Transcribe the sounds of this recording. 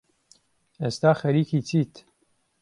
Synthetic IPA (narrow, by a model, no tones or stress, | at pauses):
eːst̪aːxɐɾiːkiːt͡siːt̪